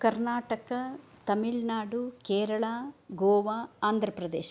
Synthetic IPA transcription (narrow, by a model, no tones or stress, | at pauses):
kɐɾnaːʈɐkɐt̪ɐmiɭnaːɖukeːɾɐɭaːɡoːʋaːaːnd̪ʱɾɐpɾɐd̪eːʃɐ